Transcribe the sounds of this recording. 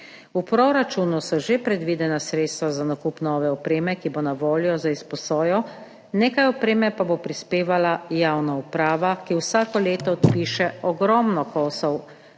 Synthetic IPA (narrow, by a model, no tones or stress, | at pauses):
upɾɔɾat͡ʃuːnusɔʒepɾɛd̪ʋiːd̪ɛnasɾeːt̪st̪ʋazanakupnɔːʋɛɔpɾeːmɛkibonaʋoːljɔzaispɔsɔːjɔ | neːkajɔpɾeːmɛpabopɾispeːʋalajawnaupɾaːʋakiwsaːkɔleːt̪ɔːt̪piːʃɛɔɡɾɔːmnɔkɔːsɔw